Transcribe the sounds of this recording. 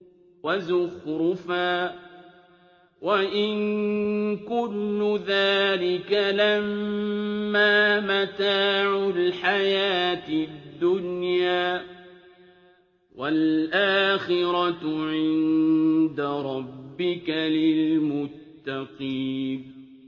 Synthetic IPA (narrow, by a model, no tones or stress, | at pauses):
wazʊhɾʊfaː | waʔɪn | kʊnːʊðaːlɪkalamː | aːmat̪aːʕʊlħajaːt̪d̪ːʊnjaː | walʔaːxɪɾɑt̪ʕɪnd̪aɾˤɑbːɪkalɪlmʊt̪ːaqiːn